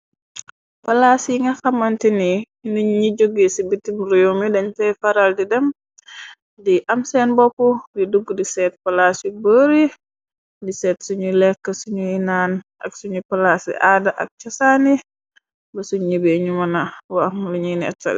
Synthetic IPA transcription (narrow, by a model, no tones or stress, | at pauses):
pɐlasiŋɡɐxɐmɐntini | niɲɲiɟoɡisibitimɾijomidɐɲtɛjfɐɾaldidɛm | diʔɐmsɛnbɔpːudiduɡdisɛːt̚pɐlasibəɾi | disɛːtsuɲulɛkːəsuɲuinaːnʔɐ̰ksuɲupɐlasḭʔaːdaʔɐ̰k̚t͡ʃɐsani | bɐsuɲɲibeɲumɐnawamluɲunɛ̰tːɐ̰l